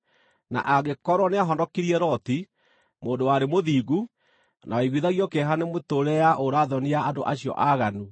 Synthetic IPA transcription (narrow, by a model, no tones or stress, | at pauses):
na̰ʔaɣekɔɾwɔneaɦɔndɔkiɾiɛɾɔti | moːndowaɾemoðiːɡu | naaiɣwiðaɣjɔkɛɦanemotoɾɛaʔoɾaːðɔniaːdo̰ʔaɕijɔ̰ʔaɣanu